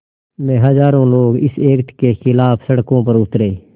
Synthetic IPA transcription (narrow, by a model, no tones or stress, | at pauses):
mɛ̃ːɦəzaːɾõːloːɡɪseːkt̪keːxɪlaːpʰsəɽkõːp̬əɾʊt̪ɾeː